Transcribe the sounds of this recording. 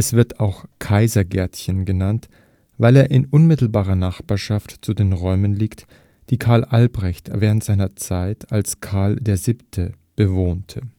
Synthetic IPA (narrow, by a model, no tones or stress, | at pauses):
ʔɛsv̥ɪɐtaʊxkʰaɪzɐɡɛɐtçənɡənant | vaɪleːɐʔɪnʔʊnmɪtl̩baːʁɐnaχb̥aːɐʃaftt͡sudeːnʁɔʏmənliːkt | d̥iːkʰaɐlʔalbʁɛçtvɛːʁ̞əntz̥aɪnɐt͡saɪtalskʰaɐldeːɐziːptʰə | b̥əvoːntʰə